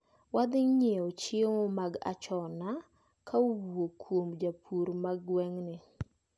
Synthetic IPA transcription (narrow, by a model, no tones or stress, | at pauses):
wad̪ɪŋɲɛot͡ʃeŋomaɡa̰t͡ʃɔna | kʰauwokʰwomd͡ʒapʰuɾmaɡwɛŋnɪ